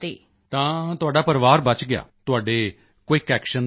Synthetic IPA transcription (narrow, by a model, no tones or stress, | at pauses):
t̪eː | t̪ãːt̪ʊaːɖaːpəɾʋaːɾbət͡ʃɡɪja̰ːt̪ʊaːɖeː | kiːkɛːkʃən